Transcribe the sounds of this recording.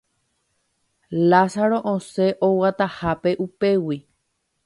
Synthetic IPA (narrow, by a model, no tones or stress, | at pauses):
lasaɾo̞ʔõse̞ʔowat̪ahape̞ʔupe̞wi